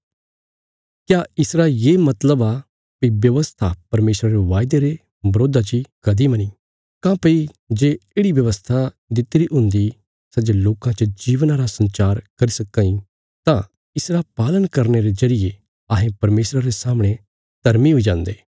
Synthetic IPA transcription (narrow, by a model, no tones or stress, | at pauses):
kjaːɪsɾajeːmɐt̪ləba | piʋjɐʋəst̪ʰapɐɾmeːsɾaɾeʋaːɪd̪eɾe | bɐɾoːd̪at͡ʃikɐd̪imɐni | kãːpəi | d͡ʒeːeːɽiʋjɐʋəst̪ʰa | d̪ɪt̪ːɾiɦʊ̃nd̪i | sɐd͡ʒeloːkãt͡ʃəd͡ʒiːʋnãɾasɐ̃nt͡ʃaːɾkɐɾisɐkːãːĩ | t̪ã | ɪsɾapaːlənkɐɾneɾezɐɾije | ɐɦẽpɐɾmeːsɾaɾesaːməɽ̃e | t̪ɐɾmiɦoid͡ʒãːnd̪eː